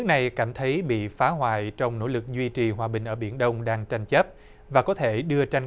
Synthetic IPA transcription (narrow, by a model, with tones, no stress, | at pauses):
nɨ˦˥k̚na˨˩jkaː˧˩mt̪ʰə˨˦jɓḭ˧˨faː˨˦ɦwa̰ː˧˨jt͡ɕɔ˧wŋ͡mno̰˧˥lɨ˨˩k̚zwi˧t͡ɕi˨˩ɦwaː˨˩ɓï˨˩ŋ̟ʔəː˧˩ɓi˧˩ənɗə˧wŋ͡mɗaː˧ŋt͡ɕa˧jŋ̟t͡ɕə˦˥p̚ | vaː˨˩kɔ˨˦t̪ʰe˧˩ɗɨ˧ət͡ɕa˧jŋ